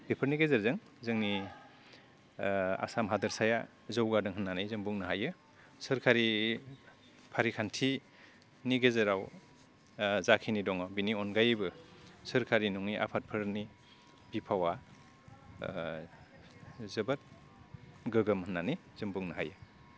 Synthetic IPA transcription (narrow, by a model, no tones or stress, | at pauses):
b̥ipʰɯɾniɡezəɾzɯŋ | zɯŋni | a̰samɦadɯɾsaja̰ | zɔwɡadɯŋɦɯnːanɯjzɯmbuŋnɯɦajɯ | sɯɾkʰaɾi | pʰaɾikʰantʰi | niɡezɯɾaw | zakʰinidɔŋɔbiniɔnɡajbɯsɯɾkʰaɾinuŋniʔa̰pʰat̚pʰɯɾni | b̥ipʰawa | zɯbat̚ | ɡɯɡɯmhɯnːanij | zɯmbuŋnɯɦajɯ